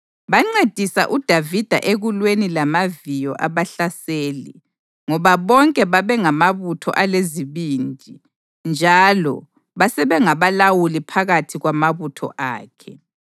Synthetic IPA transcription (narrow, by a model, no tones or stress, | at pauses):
βaŋ͡ǀed̥ʱisa̰ʔud̥ʱavid̥ʱa̰ʔeɣulwenilamavijɔʔaβaɬaseːlḭ | ŋɔβaβɔŋkʼɛβaβɛŋamaβutʰɔ̰ʔaleziβiːnd͡ʒʱi | nd͡ʒʱalɔ̰ | βasɛβɛŋaβalawulipʰaɣatʰiɣwamaβutʰɔ̰ʔa̰ːkʰɛ